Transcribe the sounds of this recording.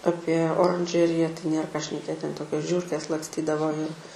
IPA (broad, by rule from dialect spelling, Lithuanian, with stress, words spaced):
ˈɑːpʲiɛ oːrɐnʲˈʒʲæːrʲɪjɛ tɐɪ ˈnʲeːr kɑː ʃʲnʲɛˈkʲeːt ˈtʲɛn ˈtoːkʲoːs ˈʒʲuːrʲkʲeːs lˠɐksʲˈtʲiːdɐʋoː ɪr